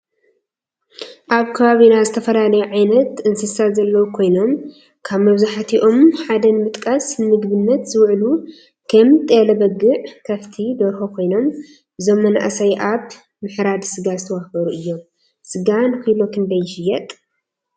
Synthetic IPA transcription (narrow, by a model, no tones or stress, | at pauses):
ʔaβkʰɐβaβinazɨt̪ʰɐfɐlalɐjuʕajnɐt̪ɨnzɨsazɐlːɐwukʰo̞jno̞m | kʰaβmɐβzaħat̪ʰiʔo̞mħad̪ɐnmɨt̪ʼkʼasmɨɡβɨnːɐt̪zɨwʕlu | kʰɐmt̪ʼelɐbɐɡːɨʕkʰɐβt̪ʰid̪oɾxokʰo̞jno̞m | ʔɨzo̞mːɐna̰ʔsɐjʔaβ | mɨħɾad̪sɨɡazɨt̪ʰɐwahbɐɾuʔɨjːo̞m | sɨɡankɨjlo̞kʰɨnd̪ɐjʃɪjːɐt̪ʼ